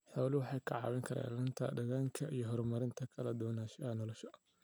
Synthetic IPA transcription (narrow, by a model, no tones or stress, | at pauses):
ħɔwlɪwɑħɑjkʰɐʕɑ̰ːwɪŋkʰɐɾa̰ːnlɪnt̪ʰɐ̰dɐɣaːŋkʰɐʔijɞɦɔrmɐɾɪnt̪ʰɐkʰɐlɐd̪ɔːnaːʃɐɐnɔlɔʃɐ